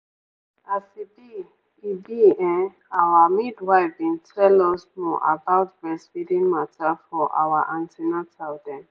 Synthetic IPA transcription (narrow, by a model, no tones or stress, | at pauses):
asibi | ibiɛ̃ | awamidwaɪfbĩntʰɛlɔsmɔʔa̰baʊtbɛswidĩnmatafɔʔa̰waʔãntʰɛnatʰaʊdɛ̃n